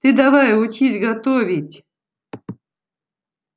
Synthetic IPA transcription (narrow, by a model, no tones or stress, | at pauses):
t̪ɨd̪avajʊt͡ɕisʲɡat̪ovʲitʲ